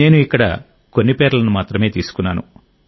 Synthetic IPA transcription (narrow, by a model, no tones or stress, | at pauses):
eːnuikːɐɽɐ̰ | ko̞nːipɛːɾɐlɐnumaːt̪ɾɐme̞ːt̪iːsu̥kunːa̰ːnṵ